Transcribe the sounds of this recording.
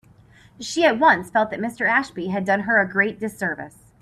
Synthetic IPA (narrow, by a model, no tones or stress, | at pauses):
ʃiɨt̚wʌ̃nsfɛlˠt̪̚ðɨt̚mɪstə˞æʃb̥iɨdʌ̃nə˞ɨɡɹeɪt̚d̥ɨsɜ˞vɨ̰s